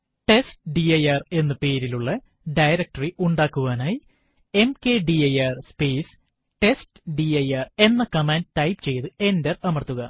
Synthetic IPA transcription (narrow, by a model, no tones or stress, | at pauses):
ʈe̞stɖiɐjaːre̞nːɨpe̞ːɾiluɭːɐ | ɖɐjɾɐk̚ʈɐriʔuɳɖaːkːuɣaːnaːji | e̞mke̞ːɖiɐjaːrspeːs | ʈe̞stɨɖiɐjaːre̞nːɐkɐmaːndtɐjpt͡ɕe̞jt̪ɨe̞nderɐmɐrt̪ːuɣɐ